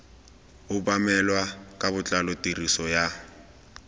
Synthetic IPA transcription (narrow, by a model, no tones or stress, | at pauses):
ʊbamɛlwakʼaβʊt͡ɬʼalɔtʼirisɔja